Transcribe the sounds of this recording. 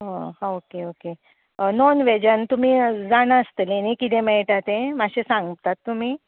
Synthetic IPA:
ɦohãokeoke | nonʋed͡ʑənt̪um̤iːd͡zaɽ̃aəst̪əlenikit̪ẽmɛɭʈat̪ẽmaɕesãŋɡt̪at̪ːum̤iː

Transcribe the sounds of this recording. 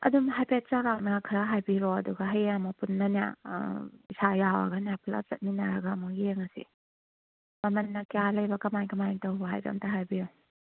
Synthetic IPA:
ɐ̰dumɦajpet̚t͡ʃawɾak̚nakʰɾɐɦajbiɾɔɐduɡɐɦɐjamɐpunːɐnja̰ | isajawɐ̰ɡɐnijapʰla̰t͡ʃɐt̚ninaɾɐɡaːmueŋɐsḭ | mɐmɐnːɐkijalɐjbɐkɐmajŋkɐmajŋtɐwɦa̰jɾɐ̰mtaɦajbiɾɔ

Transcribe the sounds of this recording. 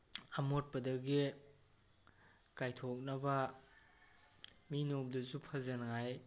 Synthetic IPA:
ɐmot̚pɐdɐɡi | kajtʰok̚nɐbɐ | minop̚dɐzupʰɐzɐnŋaj

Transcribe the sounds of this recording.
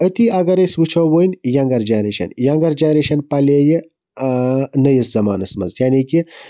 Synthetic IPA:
ət̪iɐɡɐɾɐswut͡ʃʰoːwoinjaŋɡɐɾd͡ʒɐnɾeːʃɐ̰njaŋɡɐɾd͡ʒenɾeʃɐnpɐleːji | nɐjiszɐmaːnɐsmɐ̰zjaːniki

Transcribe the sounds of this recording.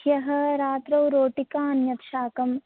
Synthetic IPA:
jɐɦɐ̆ɾaːt̪ɾɐwɾoːʈikaːɐnjɐt̪ʃaːkɐm

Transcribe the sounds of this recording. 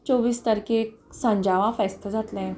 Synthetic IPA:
t͡ɕoʋiːst̪əɾkeksə̃ɲd͡ʑaʋãfɛst̪əd͡zat̪lẽ

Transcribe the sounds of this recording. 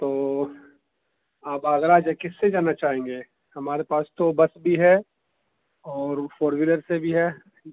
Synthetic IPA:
t̪oː | aːpaːɣɾaːd͡ʒɛkɪsːed͡ʒaːnat͡ʃaːɦẽːŋɡeː | hɐmaːɾepaːst̪obɐsbʱiɦɛ | ɔːɾfoːɾʋiɾəɾsebʱiɦɛː

